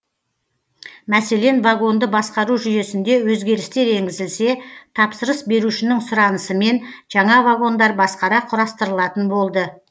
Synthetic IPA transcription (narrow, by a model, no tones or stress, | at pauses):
mæse̞le̞nvaɡo̞nd̪əbɑsqɑɾuʒʏje̞sɪnd̪e̞wɵzɡʲe̞ɾɪst̪e̞ɾe̞ŋɡʲɪzɪlse̞t̪ʰɑpsəɾəsbe̞ɾuʃɪnɪŋsʊɾɑnəsəme̞nʒ̥ɑɴɑvaɡo̞nd̪ɑɾbɑsqɑɾɑqʰʊɾɑst̪əɾəlˠɑt̪ənbo̞lˠd̪ə